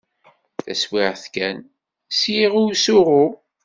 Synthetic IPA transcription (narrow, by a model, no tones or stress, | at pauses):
θæswɪʁθkæn | sjiʁʊwsʊʁʊ